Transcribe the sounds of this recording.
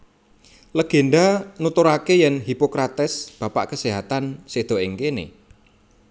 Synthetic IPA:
ləɡ̥e̤nɖanut̪ʊɾakejɛnɦipokɾat̪ɪsb̥a̤pa̰ʔkəseɦat̪ansed̪̥o̤ɪŋkenḛ

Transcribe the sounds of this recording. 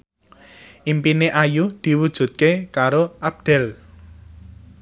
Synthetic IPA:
ʔimpineʔajud̪̥i̤wud̥ʒ̥ṳt̪̚kekaɾoʔab̚d̪̥ɛ̤l

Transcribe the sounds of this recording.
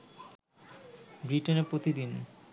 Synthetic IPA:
bɾiʈeneɾpɾot̪id̪in

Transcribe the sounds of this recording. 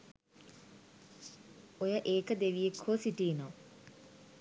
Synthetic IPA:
ojəʔeːkəd̪eʋijekʰːoːsiʈiːno

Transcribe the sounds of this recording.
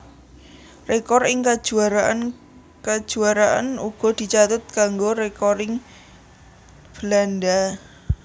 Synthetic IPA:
rekɔrɪŋkad̥ʒ̥ṳaɾaʔan | kad̥ʒ̥uaɾaʔa̰nuɡ̥ɔ̤d̪̥i̤t͡ʃat̪ʊt̪̚kaŋɡoɾekɔɾɪŋ | b̥əlanda

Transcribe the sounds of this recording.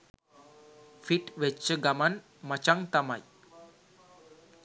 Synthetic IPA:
fiʈʋet͡ɕəɡaman | mət͡ɕaŋt̪amaj

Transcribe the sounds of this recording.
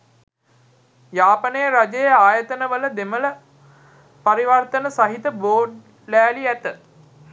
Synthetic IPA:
jaːpənəjəɾad͡ʒejəaːjət̪ənəʋələd̪emələ | paɾiʋɐrt̪ənəsaɦit̪əboːɖ | læːliæt̪ə

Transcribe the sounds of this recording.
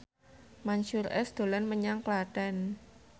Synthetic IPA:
maɲʃurɛ̰sd̪̥o̤lanməɲaŋklaɖ̥ɛn

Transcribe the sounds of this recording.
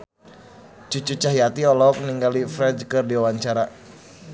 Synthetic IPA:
t͡ʃut͡ʃut͡ʃahjat̪iɔlɔk̚niŋɡalifɾɛd͡ʒkɨrdiwawaɲt͡ʃaɾa

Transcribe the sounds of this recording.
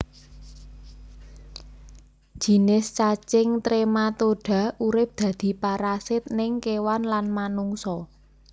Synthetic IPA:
ʒ̥i̤nɪst͡ʃat͡ʃɪŋt̪ɾemat̪oɖ̥a̤uɾɪp̚d̪̥ä̤d̪̥i̤paɾasɪt̪̚nɪŋkewanlanmanuŋsɔ

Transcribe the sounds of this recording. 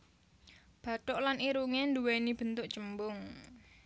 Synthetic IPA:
b̥ä̤t̪ɔʔlaniɾuŋenduwenib̥ə̤nt̪ʊʔt͡ʃəmbʊŋ

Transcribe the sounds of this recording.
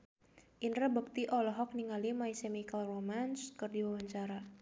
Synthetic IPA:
ʔinrəbək̚t̪iʔɔlɔɦɔk̚niŋalimaisemikalromanskərdiwawaɲt͡ʃaɾa

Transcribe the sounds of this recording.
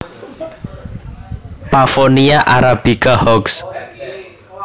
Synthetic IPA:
pafoniaʔaɾab̥ikahɔks

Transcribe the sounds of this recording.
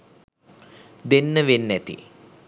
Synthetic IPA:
d̪enːəʋenːæt̪ḭ

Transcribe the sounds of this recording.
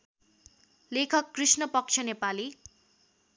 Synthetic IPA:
lekʰʌkːrisnʌpʌk̚t͡ʃʰʌnepali

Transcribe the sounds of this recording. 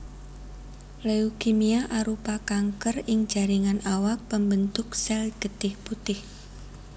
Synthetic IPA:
leukimiaʔaɾupakaŋkərɪŋ̥d͡ʒ̥a̤ɾiŋanawak̚pəmbənt̪ʊksɛlɡ̥ət̪ɪhput̪ɪh

